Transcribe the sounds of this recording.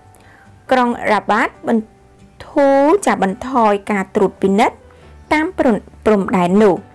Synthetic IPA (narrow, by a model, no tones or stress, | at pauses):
kroŋraɓaːt̪̚ɓɑn | t̪ʰuːt͡ɕap̚ɓɑnt̪ʰɑːjkaːt̪ruət̪̚pinɨt̪̚ː | aːmprumɗaɛnːʊ̆əh